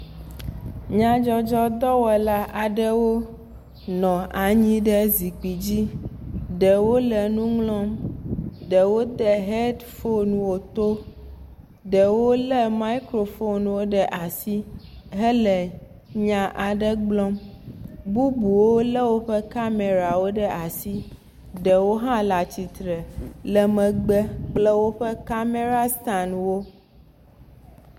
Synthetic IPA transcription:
ɲã˦d͡ʒɔ˦d͡ʒɔ˦d̪ɔ˦wɛ˨la˦ʔa˨ɖɛ˦wo˦ | nɔ̃˨a˨ɲĩ˦ɖɛ˦zi˨k͡pi˨d͡ʑi˦ɖɛ˨wo˦lɛ˨nũ˦ŋlɔ̃˦m | ɖɛ˨wo˦d̪ɛ˨ɦe˦dfo˦nũ˨wo˨t̪o˦ | ɖɛ˨wo˦lɛ˦ma˦i˦kɾo˨fo˦n˨wo˦ɖɛ˨ʔa˨si˦ | ɦə˦lə˨ | ɲã˨ʔa˨ɖə˦ɡ͡blɔ̃˦m | bu˦bu˨wo˦lə˦wo˦ɸə˦ka˦me˨ɾa˨wo˦ɖə˦ʔa˨si˦ | ɖə˨wo˦ɦã˦la˨t͡ɕi˨t̪ɾə˨lə˨mə̃˨ɡ͡bə˦k͡plə˦wo˦ɸə˦ka˦me˦ɾa˦st̪a˨nwo˦

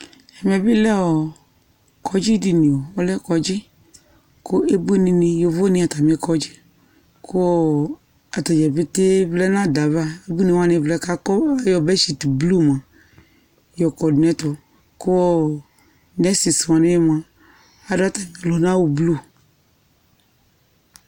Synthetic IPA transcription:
a˨mĩ˨a˨bi˦lɛ˦wɔ˨ | kʰɔ˨d͡ʒi˦di˨nĩ˨wo˨wɔ˦lɛ˦kɔ˨d͡ʒi˦ | ko˦ʔe˦bu˦e˦nĩ˨nĩ˨jo˨vo˦nĩ˨˦a˨t̪a˨mĩ˨ɛ˨kɔ˨d͡ʒi˦ | ko˦wɔ˦ | a˨t̪a˨d͡ʒɛ˨be˦t̪e˦vlɛ˦nã˦da˨va˦e˦bu˦nĩ˨wa˦nẽ˨vlɛ˦ka˦kɔ˦a˨jɔ˨bɛ˦ʃi˨tblu˦m˨ã˨ | jɔ˨kɔ˨dnɛ̃˦t̪ɔ˨ | ku˦wɔ˦ | nɛ˦si˨sa˨ne˦jm˨ã˨ | a˨do˦a˦t̪a˨mĩ˨a˨lɔ˨˦nã˦wu˨blu˦˨

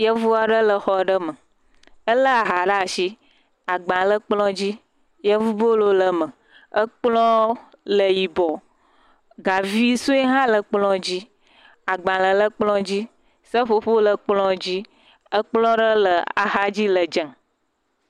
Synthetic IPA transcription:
jə˦vu˦a˨ɖə˦lə˨xɔ˨ɖə˦mə˨ | ə˦lə˦a˨ɦa˨ɖa˦˨ʃi˦ | a˨ɡ͡bã˨lə˦k͡plɔ̃˦d͡ʑi˦ | jə˦vu˦bo˦lo˦lə˨mə˨ | ə˦k͡plɔ̃˦ | lə˨ji˨bɔ˨ | ɡa˨vi˦su˦e˦ɦã˦lə˨k͡plɔ̃˦d͡ʑi˦ | a˨ɡ͡bã˨lə˨lə˦k͡plɔ̃˦d͡ʑi˦ | sə˦ɸo˦ɸo˦lə˨k͡plɔ̃˦d͡ʑi˦ | ə˦k͡plɔ̃˦ɖə˦lə˨a̰˨ɦa˦d͡ʑi˦lə˨d͡ʒə̃˨

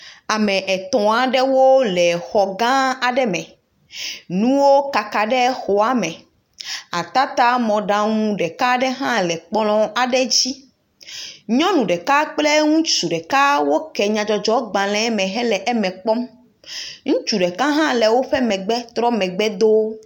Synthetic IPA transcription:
a˨mɛ̃˨ʔɛ˨t̪ɔ̃˨a˨ɖɛ˦wo˦lɛ˨xɔ˨ɡã˦a˨ɖɛ˦mɛ̃˨ | nũ˦wo˦ka˨ka˨ɖɛ˦xo˨a˨mɛ̃˨ | a˨t̪a˦t̪a˦mɔ̃˨ɖã˨ŋũ˦ɖɛ˨kã˦ɖɛ˦ɦã˦lɛ˨k͡plɔ̃˦ʔa˨ɖɛ˦d͡ʑi˦ | ɲɔ̃˦nũ˨ɖɛ˨ka˦k͡ple˦ŋũ˦t͡ʃu˨ɖɛ˨ka˦wo˦kɛ˨ɲã˨d͡ʒɔ˨d͡ʒɔ˦ɡ͡bã˨lɛ̃˦mɛ̃˨ɦɛ˦lɛ˨ʔɛ˦mɛ̃˨k͡pɔ˦m | ŋũ˦t͡ʃu˨ɖɛ˨kã˦ɦã˦lɛ˨wo˦ɸɛ˦mɛ̃˨ɡ͡bɛ˦t̪ɾɔ˦mɛ̃˨ɡ͡bɛ˦d̪o˦

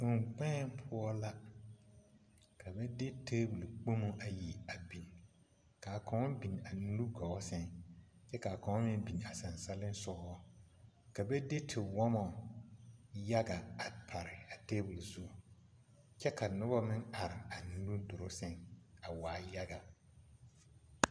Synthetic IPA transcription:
ʊ˨ŋk͡pɛː˦˨mpʰʊ˦ɔ˦la˦ | kʰa˨bɛ˦de˦tʰeː˦bu˨lu˨k͡po˦mu˦ʔa˨ji˨a˨bi˨n˨ | ka˨kʰɔ̃˨ŋɔ˦bi˨n˨a˨n˦lu˦ɡɔ˨ɔ˦sɛ˦ŋt͡ʃɛ˦ka˨kɔ̃˨ŋɔ˦mɪ˦n˦bi˨n˨a˨sã˨nsa˦lɪ˦n˦sɔ˦ɡɔ˦ɔ˦ | ka˨bɛ˦de˦tʰɪ˨wɔ˦mɔ˨ | ja˦ɡa˨a˨pʰa˨ɾɪ˨a˨teː˦bu˨lsu˦˨ | t͡ʃɛ˦ka˨nʊ˦bɔ˦mɪ̃˦na˨ɾɪ˨a˨n˦lu˦dʊ˨ɾʊ˦sɛ˦ŋa˨waː˨ja˦ɡa˨

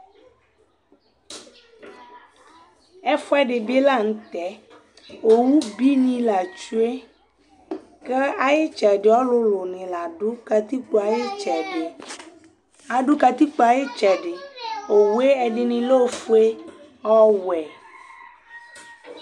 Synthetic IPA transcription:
ɛ˦fʊ˦ɛ˦ɖɪ˨be˦la˦˨ŋ̩̃˦t̪ɛ˨˦ | o˨wu˦bi˦nĩ˦la˨t͡ʃu˦e˦ | ke˦a˨jɪ˦t͡ʃɛ˨ɖɪ˨ɔ˦lʊ˦lʊ˨nɪ̃˨la˨ɖʊ˦ka˧t̪i˦k͡po˦a˨jɪ˦t͡ʃɛ˨dɪ˨ | a˨ɖʊ˦ka˧t̪i˦k͡po˦a˨jɪ˦t͡ʃɛ˨ɖɪ˨o˨wu˦e˦ɛ˨ɖɪ˨nĩ˨lo˦fu˦e˦ | ɔ˦wɛ˨

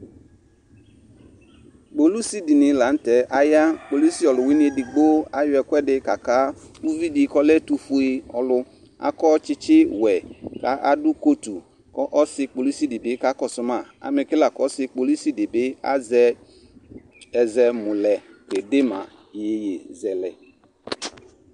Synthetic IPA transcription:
k͡po˨lu˦si˦di˨nɪ˨la˨˦n̩˦tɛ˨ʔa˦ja˦k͡po˨li˦si˦ɔ˨lʊ˨wi˦n˦e˦˨dɪ˨ɡ͡bo˦a˦jʊ˦ɛ˨kʷɛ˦dɪ˦ka˨ka˦u˦vi˦di˨˦kɔ˦lɛ˦tu˨fu˦e˧ɔ˨lʊ˧ | a̰˨kɔ˦t͡ʃɪ˦t͡ʃɪ˦wɛ˨ka˨˦ʔa˦dʊ˦ko˦tu˨ | kɔ˦ʔɔ˦sɪ˧k͡po˨lu˦si˦dɪ˨bɪ˨˦ka˦kɔ˨sʊ˨ma˦˨a̰˨mɪ˨kɪ˦la˨kɔ˦sɪ˧k͡po˨lu˦si˦dɪ˨bɪ˦a̰˦zɛ˦ | ɛ˨zɛ˨mʊ̃˨lɛ˨ke˨dɪ˦ma̰˨ | je˨˦jḛ˨zɛ˨lɛ˨

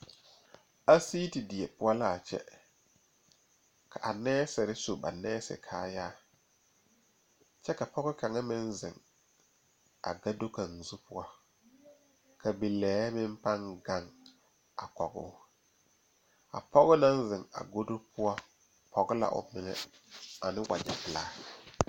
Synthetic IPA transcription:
a˦si˦ti˨dɪ˨ɛ˨pʊ˦a˦la˦˨t͡ʃɛ̰˦ | kʰa˨ʔa˨nɛː˦sɪ˨ɾɪ˦so˨ba̰˨nɛː˦sɪ̰˨kʰaː˨jaː˦ | t͡ʃɛ˦ka˨pɔ˦ɣɪ˦ka˨ŋa˦mɪ˦n˦zɪ̰˨ŋ | a̰˨ɡa˦do˦ka˨ŋ˨zu˦pʊ˦a˦ | kʰa˨bi˨lɛː˨˦mɪ˦m˦pa˦ŋɡa˦˨ŋ | a˨kɔ˨ɡʊ̰˦ | a̰˨pʰɔ˦ɣɪ˦na˦n˦zɪ˨ŋa̰˨ɡo˦do˦pʰʊ˦a˦ | pʰɔ˨ɡɪ˦la̰˨ʔʊ̰˨mɪ˦ŋɛ̰˦ | a˨nɪ˦wʔa̰˨d͡ʒa̰˨bɪ˨laː˦

